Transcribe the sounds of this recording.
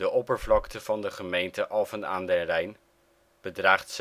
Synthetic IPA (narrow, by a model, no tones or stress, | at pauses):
dəʔɔpəɹvlɑktəv̥ɑndəχəmejntəʔɑlˠvəna̰ːndɛrɛjn | b̥ədraːχts